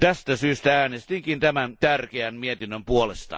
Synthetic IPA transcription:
t̪æst̪æsyːst̪ææːnest̪iŋkint̪æmænt̪ærkeæmmiet̪inːømpuolest̪ɑ̰

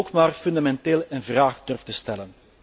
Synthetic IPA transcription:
okmaːrfʏnd̪amɛnteːlˠənvraːxdɵrftəstɛlən

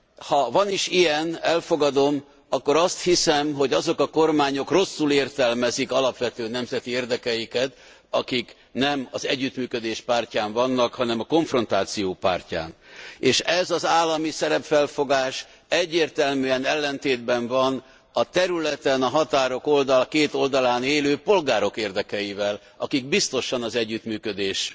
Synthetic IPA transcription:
hɒvɒniʃijɛnɛlfo̞ɡɒd̪o̞m | ɒkːo̞ɾɒst̪hisɛmɦo̞ɟɒzo̞kɒko̞rmaːɲo̞kro̞sːuleːrt̪ɛlmɛzikɒlɒpʋɛt̪øːnɛmzɛt̪ieːrd̪ɛkɛjikɛt̪ | ɒkik | nɛmɒzɛɟːyt̪myːkød̪eːʃpaːrcaːɱvɒnːɒkhɒnɛmɒko̞ɱfro̞nt̪aːt̪sijoːpa̰ːrca̰ːneːʃɛzɒzaːlːɒmisɛɾɛpfɛlfo̞ɡaːʃ | ɛɟːeːrt̪ɛlmyɛnɛlːɛnt̪eːd̪bɛɱvɒn | ɒt̪ɛɾylɛt̪ɛnɒɦɒt̪aːɾo̞ko̞ld̪ɒlkeːt̪o̞ld̪ɒlaːneːløːpo̞lɡaːɾo̞keːrd̪ɛkɛjivɛl | ɒ̰kiɡbist̪o̞ʃɒnɒzɛɟːyt̪myːkød̪eːʃ

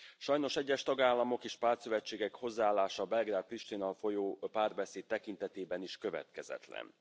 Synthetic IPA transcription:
ʃɒjno̞ʃɛɟːɛʃt̪ɒɡaːlːɒmo̞keːʃpaːsøvɛt͡ʃːeːɡɛkho̞zːaaːlːaːʃɒbɛlɡɾaːd̪̚riʃt̪inɒlfo̞joːpaːrbɛseːt̪̚t̪ːɛkint̪ɛt̪eːbɛniʃkø̞vɛ̰t̪kɛzɛ̰t̪lɛ̰n

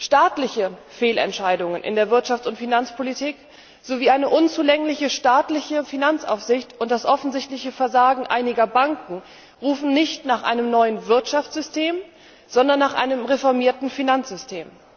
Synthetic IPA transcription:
ʃtaːtlɪçəfeːlɛ̰ntʃaɪdʊŋənʔɪ̰ndeːɐvɪɐtʃaftʊntfinant͡spʰolitʰiːk | z̥oviːʔaɪnəʔʊnt͡suːlɛŋlɪçəʃtaːtlɪçəfinant͡sʔa̰ʊfz̥ɪçtʊntd̥asʔɔfn̩zɪçtlɪçəfɛɐzaːɡŋ̩ʔa̰ɪnɪɡɐbaŋkŋ̩ | ʁuːfn̩nɪçtnaːχʔa̰ɪnəmnɔʏənvɪɐtʃaftt͡sz̥ʏstʰeːm | z̥ɔndɐnːaːχʔa̰ɪnəmʁefɔɐmiːɐtn̩finant͡sz̥ʏstʰeːm

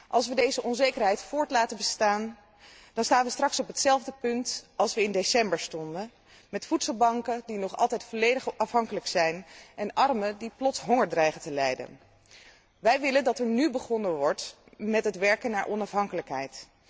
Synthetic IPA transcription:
ʔɑlˠsʋədejzəʔɔnzejkəɹɦɛjtfʊːɹtlaːtəbəstaːn | d̥ɑnstaːnʋəstrɑksɔpɦətsɛlˠvdəpɵntɑlˠsʋəɪndesɛmbəɹstɔndə | mɛtfutsəlˠbɑŋkədinɔχɑ̰lˠtɛjtfɔlejdəχɑfɦɑŋkələksɛjnʔɛnɑrmədiplɔtsɦɔŋəɹdrɛjχəntəlɛjdə̰n | ʋɛjʋɪləndɑtɛɹnybəχɔnəʋɔɹt | mɛtɦətʋɛɹkənːaːɹʔɔnɑfɦɑŋkələkɦɛ̰jt

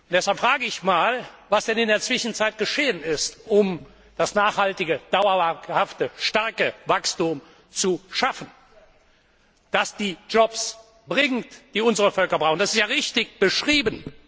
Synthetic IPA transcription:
ʊntd̥ɛshalpfʁ̥aːɡəɪçmaːlvasd̥ɛnɪndeːɐt͡sv̥ɪʃn̩t͡saɪt̚ɡ̥əʃeːənɪstʔʊm | d̥asnaːχhaltɪɡəd̥aʊɐhaftəʃtaɐkəvakstum | t͡suʃafən̩ | d̥asd̥iːd͡ʒɔps | b̥ʁɪŋtd̥iːʊnzəʁəfœlkɐbʁaʊxnd̥asɪstjaːʁɪçtɪçb̥əʃʁ̥iːbən

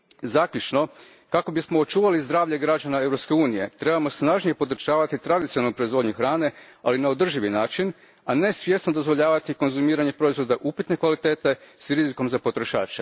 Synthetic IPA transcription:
zakʎut͡ʃno̞ | kako̞bismo̞ːt͡ʃuːʋalizd̪ɾaːʋʎe̞ɡɾad͡ʒanae̞vɾopskeuːnije̞t̪ɾe̞bamo̞snaːʒnijepod̪ɾ̩t͡ʃaːʋat̪it̪ɾad̪it̪ionalnupɾo̞izʋo̞ːd̪ɲuxɾaːne̞ | alinao̞d̪r̩ʒiʋinaːt͡ʃin | ane̞sʋʲje̞snod̪o̞zʋo̞ʎaːʋat̪iko̞nzumiːɾaɲe̞pɾo̞izʋo̞d̪aʔupit̪ne̞kʋalit̪e̞ːt̪e̞sɾiziko̞mzapo̞t̪ɾo̞ʃa̰ːt͡ʃe

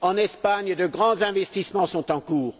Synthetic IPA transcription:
ɑ̃nɛspaɲd̪əɡʁɑ̃zɛ̃vɛst̪ismɑ̃sɔ̃t̪ɑ̃kuːʁ

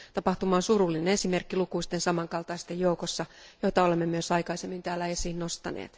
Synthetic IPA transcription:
t̪ɑpɑht̪umɑːnsurulːinene̞simerkːilukuist̪ensɑmɑŋkɑlt̪ɑist̪ejoukosːɑjoit̪ɑolemːemyøsɑikɑisemːint̪æːlːæesiːnnost̪ɑ̰nḛːt̪

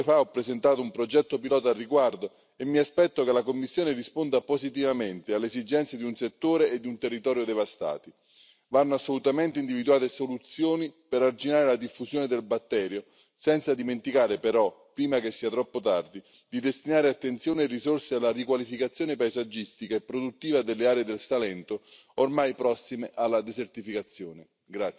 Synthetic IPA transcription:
faɔpːɾezent̪aːt̪oumpɾod͡ʒɛt̪ːopilɔːt̪arːiɡward̪o | emːiaspɛt̪ːokelakomːisːjoːnerispond̪apozit̪̬ivament̪ealːezid͡ʒɛnt̪sjed̪iunset̪ːoːɾeːd̪ːiunt̪erːit̪ɔːɾjod̪evast̪a̰ːt̪i | vanːoasːolut̪ament̪eind̪ivid̪uaːt̪esolut̪sːjoːnipeɾard͡ʒinaːɾelad̪ifːuzjoːned̪elbat̪ːɛːɾjo | sɛnt̪sad̪iment̪ikaːɾepeɾɔpːɾiːmakesːiːat̪ɾɔpːot̪ard̪i | d̪id̪est̪inaːɾeat̪ːent̪sjoːneerizorsealːarikwalifikat̪sːjoːnepajzad͡ʒːist̪ikaepːɾod̪ut̪ːiːvad̪elːeaːɾeːd̪elsalɛnt̪o | ormajpɾɔsːimeʔalːad̪ezert̪ifikat̪sːjoːne | ɡɾat̪

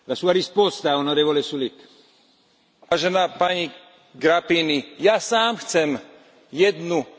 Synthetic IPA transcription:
lasuːaɾispɔst̪aːonoɾeːvolesulik | ʋaːʒɛnaːpaɲi | ɡɾapinijasaːmxt͡sɛm | jɛd̪nu

